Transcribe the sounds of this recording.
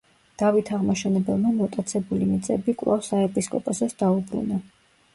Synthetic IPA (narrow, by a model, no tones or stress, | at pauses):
d̪̥avit̪ʰaʁmɔʃɛnɛbɛlˠmamɔt̪ʼat̪sʰɛbulimit̪sʼɛbikʼwlˠa̰fsaɛpʼiskʼɔpʼɔsɛsd̪aubɾṵna